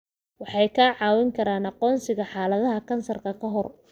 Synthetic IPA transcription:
wɑħɑjkʰaːʕɑːwɪŋkʰɐɾaːnɑqɔːnsɪɣɐħɑːlɐðɐɦɐkʰɐnsɐrkʰɐkʰɐɦɔr

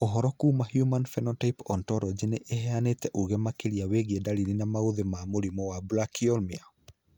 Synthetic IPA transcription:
ɔɦɔɾɔkuːmahjumanfɛnɔtaipɔntɔɾɔd͡ʒeneʔehɛanetɛʔuɣemakeɾiaweɣedaliɾinamaoðemamoɾimɔwabulakiɔlmia

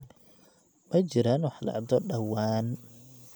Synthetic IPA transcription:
mɐjt͡ʃɪɾaːnwɑħlɐ̰ʕd̪ɔɖɐwaːn

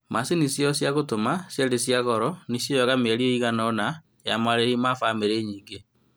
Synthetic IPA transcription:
masinisjɔsjaɣotomasjɛdesjaɣɔɾɔnisjɔjɔɣamɛɾieiɣanːna | jamaɾeimafameɾeːɲiːŋɡe

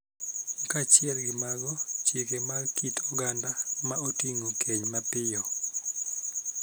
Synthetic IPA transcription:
kat͡ʃɪɛlɡɪmaɡɔt͡ʃjekemakitʰoɡandamaotiŋokʰeɲmapɪjɔ

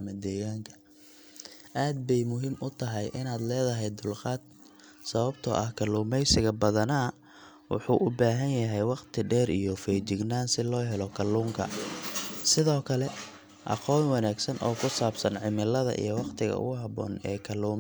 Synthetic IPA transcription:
mɐd̪ɛːɣaːŋkʰɐ̥ | ʔaːd̪̚bɛjmʊɦiːmʊt̪ʰɐɦɛjʔɪnaːd̪lɛːðɐɦɛjd̪ʊlqɑːd̪̚ | sɐβɐbt̪ʰɔ̰ʔɐhkʰɐluːmɛjsɪɣɐbɐðɐnɐ | wʊ̰ħuːʔʊbaːɦɐnjɐɦɛjwɑqt̪ʰɪɖɛːɾijɔfɛːt͡ʃɪɡnaːnsɪlɔːɦɛlɔkʰɐluːŋkʰɐ | sɪðɔːkʰɐlɛ | ʔɑ̰qɔːnwɑnaːɡsɐnʔɔːkʰʊsaːbsɐnʕɪmɪlɐðɐ̰ʔḭjɔwɑqt̪ʰɪɣɐ̰ʊ̰ɣʊɦɑβɔ̰ːnɛːkʰɐluːm

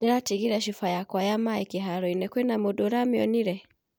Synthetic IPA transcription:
ɛɾatiɡiɾaʃ̬ifajakwajamaɛkiɦaɾɔinɛkwɛnamɔɗɔɾamiɔ̰niɾɛ

